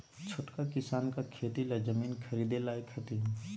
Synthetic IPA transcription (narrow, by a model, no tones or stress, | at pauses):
t͡ʃʰoːʈkakɪsaːnkakʰeːt̪iled͡ʒəmiːnkʰəɾiːd̪elaːekʰɐt̪i